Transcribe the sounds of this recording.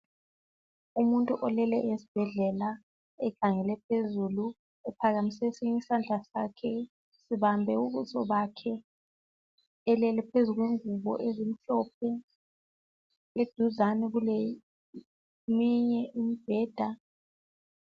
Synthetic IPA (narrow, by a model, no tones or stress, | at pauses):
umuntʼuʔɔlɛlɛʔesi̥b̥ʱɛɮɛla | ɛkʰaŋɛlɛp̚ʰezulu | ɛpʰaɣamisɛsiŋisand͡ɮʱasakʰɛ | siβambʱɛuβuzɔβakʰɛ | ɛlɛlɛpʰezuɣweŋuβɔ̰ʔezim̩ɬɔp̚ʰɛ | led̥ʱuzanɛɣulɛ | miɲɛʔimib̥ʱɛːd̥ʱa